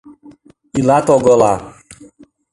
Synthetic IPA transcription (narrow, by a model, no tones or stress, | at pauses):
ilat̪ɔɡɔla